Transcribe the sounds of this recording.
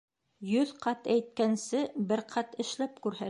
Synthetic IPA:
jɵðqɑt̪æjt̪̚kænsɘbɘɾqʰɑt̪ɘ̆ʃlæpkʉɾɦæ

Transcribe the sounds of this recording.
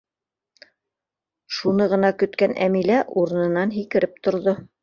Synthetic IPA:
ʃunɤʁɤ̆nɑkɵ̆t̪kænʔæ̰milæʔuɾɤ̆nɤ̆nɑnɦikɘ̆ɾɘp̚t̪ŏɾðo

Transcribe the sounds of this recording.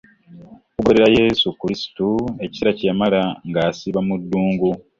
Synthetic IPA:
kuɡo̞ɾe̞ɾaje̞ːsukuɾisi̥tue̞ci̥siɾacamalaŋɡaːsiβamudːuːŋɡu

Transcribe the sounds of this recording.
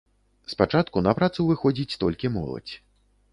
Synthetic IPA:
spat͡ʂat̪kunɐpɾat̪suvɨxɔd͡zʲit͡sʲt̪ɔlʲkʲimɔ̰lˠɐ̰t͡sʲ

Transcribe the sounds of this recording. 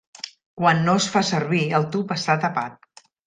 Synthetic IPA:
kwanːoəsfasəɾβiəlˠt̪upəst̪at̪əpat̪̚

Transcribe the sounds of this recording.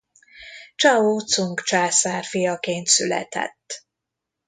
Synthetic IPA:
t͡ʃɒoːt̪suŋkt͡ʃaːsaːrfijɒkeːnt̪sylɛ̰t̪ɛ̰t̪ː

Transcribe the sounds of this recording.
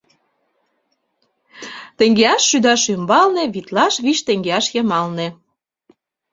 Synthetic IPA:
t̪eŋɡeɑʃːyd̪ɑʃymbɑlnĕβit̪lɑʃβiʃt̪eŋɡeɑʃjɤmɑlnĕ

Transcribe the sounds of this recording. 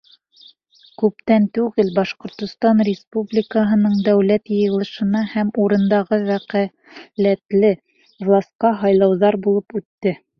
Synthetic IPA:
kʉp̚t̪ænt̪ʉɡɘlbɑʃqŏɾt̪ŏst̪ɑnrʲɪspublʲikəɦɤ̆nɤɴd̪æwlæt̪jɤ̆jɤ̆lˠɤ̆ʃɤ̆nɑhæmuɾɤ̆nd̪ɑʁɤwæqæ | læt̪lɘ | vlˠɑsqɑɦɑjlˠɑwðɑɾbulˠɤpʉt̪ːɘ

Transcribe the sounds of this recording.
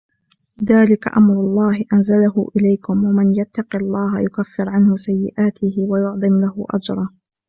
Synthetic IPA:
ðaːlɪka̰ʔamɾˤʊlˤːɑːhɪʔanzalahʊʔɪlajkʊmwamɪnjat̪ːɑqɪlˤːɑːɦajʊkafːɪɾʕanhʊsajːɪ̰ʔaːt̪ʰɪhɪwajʊʕd̪ˤɨmlahʊʔa̰d͡ʒɾˤɑː

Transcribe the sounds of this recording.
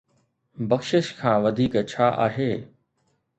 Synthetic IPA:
bɐxʃɪʃkʰãːʋɐd̪ʱiːkt͡ɕʰaːʔa̰ːɦeː

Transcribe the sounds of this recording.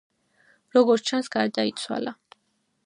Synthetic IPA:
ɾɔɡɔɾtt͡ʃʰansɡ̥aɾd̪ait̪sʰwa̰la

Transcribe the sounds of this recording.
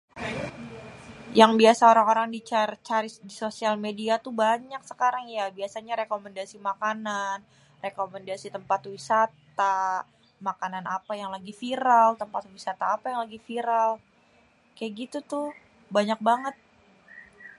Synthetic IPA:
jaŋbiasaoɾaŋoɾaŋdit͡ʃart͡ʃaɾisdisosialmediat̪ubaɲaksə̥kaɾaŋjabiasaɲaɾekomɛndasimakanan | rekomɛndasit̪əmpat̪wisat̪a | makananapajaŋlaɡifiɾalt̪əmpat̪wisat̪aːpajaŋlaɡifiɾal | kajaɡit̪ut̪ʊ | baɲak̚baŋət̪̚

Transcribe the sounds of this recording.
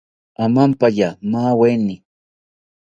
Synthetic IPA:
amampaʎamaːwenɪ

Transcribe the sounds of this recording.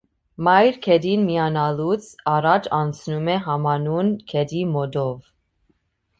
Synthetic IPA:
mɑjɾkʰɛd̪inmijɑnɑlut͡sʰɑɾɑt͡ʃʰɑnt͡sʰnumɛɦɑmɑnunkʰɛd̪imɔd̪ɔv

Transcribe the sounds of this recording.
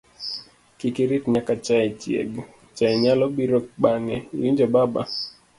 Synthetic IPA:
kikiɾitɲakat͡ʃaɛt͡ʃjɛ̰ɡ | t͡ʃaɛɲalɔɓiɾɔk̚ɓaŋɛjiɲd͡ʒɔbaba̰

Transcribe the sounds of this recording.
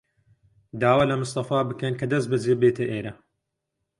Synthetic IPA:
d̪aːwaːlɐmɨst̪ɐfaːbɨkɐnkʰɐd̪ɐs̬t̪̚bɐd͡zeːbeːt̪ʰɐʔeːɾɐ

